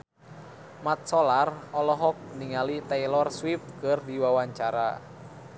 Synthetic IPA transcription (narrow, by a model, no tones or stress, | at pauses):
mat̪̚sɔlarɔlɔɦɔk̚niŋalit̪ɛlɔrswif̚kɨrdiwawaɲt͡ʃaɾa̰